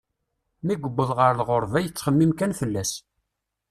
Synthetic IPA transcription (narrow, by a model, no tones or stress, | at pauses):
miɡʷəbːəðˤʁəɾlʁoɾˤvæjət͡sːχəmːimkænfəlːæs